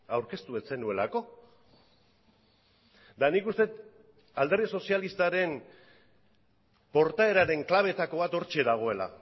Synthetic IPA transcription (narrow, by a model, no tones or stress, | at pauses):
awɾke̞st̪ue̞t͡se̞nue̞lako̞ | d̪anikust̪e̞t̪ | ald̪e̞rðiso̞sialist̪aɾe̞n | po̞ɾt̪ae̞ɾaɾe̞ŋklaβ̞e̞t̪ako̞β̞at̪o̞ɾt͡ʃe̞ðaɣ̞o̞e̞la̰